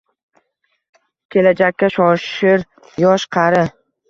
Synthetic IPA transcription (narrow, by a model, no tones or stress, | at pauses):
kʲʰe̞lad͡ʒakʲːaʃɒʃɪɾ | jɒʃqʰɑɾɪ